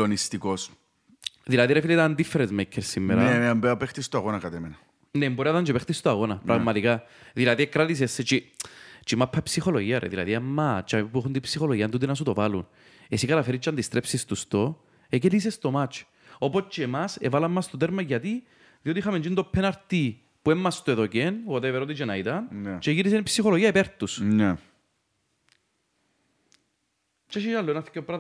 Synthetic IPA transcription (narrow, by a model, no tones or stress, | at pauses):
onist̪ikos | ðilɐðiɾefilet̪aand̪ifːeɾezmekʰːeɾsimːḛɾɐeeambeɐpext̪ist̪oaɣonɐkɐt̪emenɐ | nemboɾiɐðɐnd͡ʒepext̪ist̪oaɣo̞nɐpɾɐɣmɐt̪ikaðilɐðiekɾat̪is̬esːet͡ʃit͡ʃimapʰːɐpsixoloʝiɐɾḛðilɐ̰ðiemːat͡ʃːamiipuexunt̪ipsixoloʝiɐnt̪ut̪inɐsut̪o̞valun | esikɐt̪ɐfeɾit͡ʃːɐnd̪ist̪ɾepsist̪ust̪o | ek̬elis̬est̪omat͡ʃ | opot͡ʃːemasevalɐmːɐst̪ot̪eɾmɐʝat̪i | ðiot̪ixɐmend͡ʒint̪opʰːenaɾt̪i | puemːɐst̪oeðocenot̪eveɾot̪it͡ʃenait̪ɐnt͡ʃeʝiɾis̬enipsixoloʝiɐepeɾt̪usnɛ | t͡ʃeʃialːoenɐθi̥kːopːɾɐ